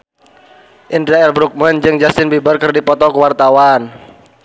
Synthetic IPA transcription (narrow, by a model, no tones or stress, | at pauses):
ʔindɾaɛlbɾuk̚mənd͡ʒɨŋd͡ʒast̪ɪnbibərkɨrdipɔt̪ɔkəwart̪awan